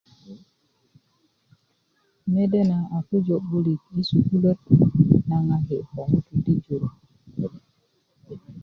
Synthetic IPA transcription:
me˦de˦na˨a˨ku˦d͡ʒo˨bu˦li˨k̚i˦su˨ku˦le˦tna˦ŋa˦he˨kɔ˨ŋu˦ti˨di˦d͡ʒo˨ɾ

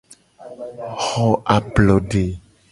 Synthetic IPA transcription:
xɔ˨ʔa˨plɔ˨ɖe˨

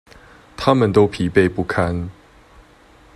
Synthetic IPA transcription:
t̪ʰa˦mə˨nt̪o˥˦ʊpʰi˨˥pe˥˧ɪpu˥˩kʰa˦n

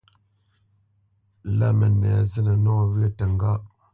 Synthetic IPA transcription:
la˦mə˨nɛ˨zə˦nə˨nɔ˦˨wɥə˦tə˨ŋ˦ɡa˦ʔ

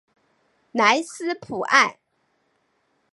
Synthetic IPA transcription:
na˧˥ɪsɹ̩˥pʰu˨˩ʔa˥˩ɪ

